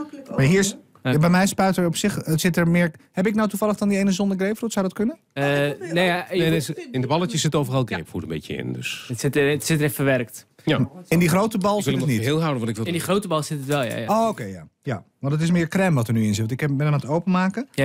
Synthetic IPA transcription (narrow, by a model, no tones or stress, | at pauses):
maɹɦiːɹs | bɛjmɛjspœɥtəɹɔpsɪxsɪtəɹmɪːɹhɛpɪknawtuvɑləxdɔndiejnəzɔndəɡrejpfrutsawdɔtkønə | nejaneeɪndəbɑlˠətjəsɪtowvərɑlˠɡrḛjpfṵːtəmbḛcəɪ̰ndø̰sətsɪttsɪtərɛfəʋɛrkt | jaɪndixrowtəbɑlˠʋɪləniteːlˠɦawdənʋɑntɪkʋɪlˠniχrowtəbɑlˠsɪtətʋɛlˠja̰ookejja̰ja̰ʋɑntətɪs̬mɪːɹkrɛmʋɔtəɹnyɪnzɪtʋtntɪkɛbɛnəmatowpənmaːkə